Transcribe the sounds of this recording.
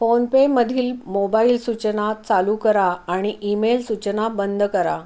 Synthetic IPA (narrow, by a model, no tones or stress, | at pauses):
fonpeməd̪ʱiːlmobailsut͡ɕnat͡salukəɾaːɽ̃iʔimelsut͡ɕənabənd̪ʱkəɾa